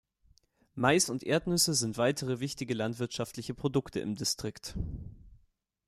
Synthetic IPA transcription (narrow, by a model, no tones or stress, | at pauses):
maɪsʊntʔeːɐtnʏsəzɪntv̥aɪtʰəʁ̞əvɪçtɪɡəlantv̥ɪɐtʃaftlɪçəpʁ̥odʊktʰəʔɪ̰mdistʁ̥ɪkt